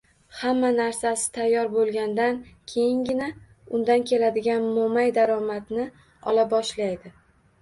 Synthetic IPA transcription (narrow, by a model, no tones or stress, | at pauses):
hamːanaɾsasɪ̥t̪ʰajːɒɾbolˠɡʲand̪ankʲʰe̞jɪŋɡʲɪna | ʊnd̪ankʲʰe̞lad̪ɪɡʲanmomajd̪aɾɒmat̪nɪ | ɒlabɒʃlajd̪ɪ